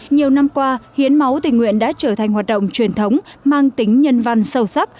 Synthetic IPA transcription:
ɲi˨˩əwna˧mkwaː˧hi˨˦ənma˨˦wt̪ï˨˩ŋ̟ŋwḭ˧˨ənɗa̰ː˧˥t͡ɕəː˧˩t̪ʰa˨˩ŋ̟waː˨˩t̚ɗə̰˧˨wŋ͡mt͡ɕwi˨˩ənt̪ʰə˨˦wŋ͡mmaː˧ŋt̪ï˨˦ŋ̟ɲə˧nva˧nsə˧˩wsa˦˥p̚

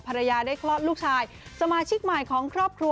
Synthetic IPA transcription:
pʰa˧ɾa˧jaː˧daː˥˩jkʰlɔː˥˩t̪̚luː˥˩k̚t͡ɕʰaː˧j | sa˧maː˧t͡ɕʰi˦˥k̚ma˨˩jkʰɔː˩˦ŋkʰɾɔː˥˩p̚kʰɾu˧

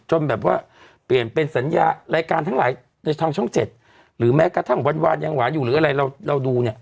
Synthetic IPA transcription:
t͡ɕo˧nbɛː˨˩p̚waː˥˩ | pli˨˩ənpe˧nsa˩˦njaː˧ɾaː˧jkaː˧nt̪ʰa˦˥ŋlaː˩˦j | na˧jt̪ʰaː˧ŋt͡ɕʰɔ˥˩ŋt͡ɕe˨˩t̪̚ | ɾɯː˩˦mɛː˦˥ka˧˩t̪ʰa˦˥˩ŋwa˧nwaː˧nja˧ŋwaː˩˦njuː˨˩ɾɯː˩˦ʔa˧ɾa˧jɾa˧wɾa˧wduː˧ni˥˩ə

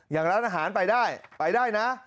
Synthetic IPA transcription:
jaː˨˩ŋɾaː˦˥nʔaː˧ɦaː˩˦npa˧jdaː˥˩jpa˧jdaː˥˩jna˦˥

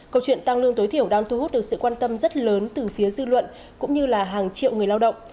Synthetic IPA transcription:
kə˧wt͡ɕwḭ˧˨ənt̪a˧ŋlɨ˧əŋt̪o˨˦jt̪ʰi˧˩əwɗaː˧ŋt̪u˧hu˦˥t̚ɗɨ˨˩ək̚sɨ̰˧˨kwaː˧nt̪ə˧mzə˦˥t̚ləː˨˦nt̪ɨ˨˩fi˨˦əzɨ˧lwə̰˧˨n | kʊ̰˧˥ŋ͡mɲɨ˧laː˨˩ɦaː˨˩ŋt͡ɕḭ˧˨əwŋ˨˩əjlaː˧wɗə̰˧˨wŋ͡m

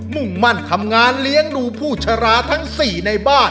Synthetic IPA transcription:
mu˨˩ŋma˧˩nt̪ʰa˧mŋaː˧nli˦˥əŋduː˧pʰuː˥˩t͡ɕʰa˧ɾaː˦˥t̪ʰa˦˥ŋsiː˨˩na˧jbaː˥˩

